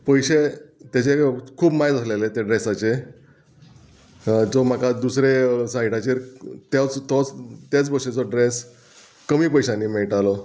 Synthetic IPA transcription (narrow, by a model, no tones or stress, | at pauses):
pəjɕet̪jat͡ɕekʰuːbmajd͡zəslelet̪jaɖɾesat͡ɕe | d͡zom̤akad̪usɾesãiʈat͡ɕiɾt̪jat͡st̪ɔt͡st̪jat͡sbʱəɕet͡sɔɖɾes | kəmiːpəjɕãnːimeɭʈalɔ